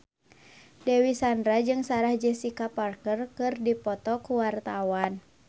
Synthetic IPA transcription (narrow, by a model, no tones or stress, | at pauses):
dɛwisandɾad͡ʒɨŋsaɾahd͡ʒəsikaparkərkɨrdipɔt̪ɔkuwart̪awan